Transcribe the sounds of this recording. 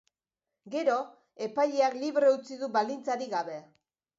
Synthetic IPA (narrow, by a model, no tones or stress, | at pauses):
ɡe̞ɾo̞ | e̞pajʎeakliβɾe̞ut͡siðuβald̪int͡saɾiɣaβe̞